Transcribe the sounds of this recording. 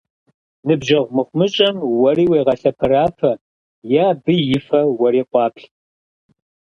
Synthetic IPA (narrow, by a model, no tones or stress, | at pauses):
nɨbʒɐʁʷmɨχʷmɨɕʼɐmwɐriːweːʁɐɬɐpʰɐɾaːfʰɐ | jaːbɨjɪfɐwɐɾiːqʷʼɑːpʰɬ